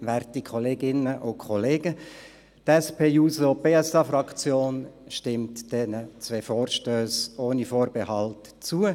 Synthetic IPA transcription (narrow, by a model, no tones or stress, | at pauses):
ʋɛrtikʰχɔleːɡɪnəʔʊkʰχɔleːɡə | tɛspʰeːjuːsob̥eːɛsɑfrɑkt͡sjoːnʃtɪmtd̥ɛnət͡sʋefoːrʃtøːsoːnifoːɾbɛhɑlt | t͡suə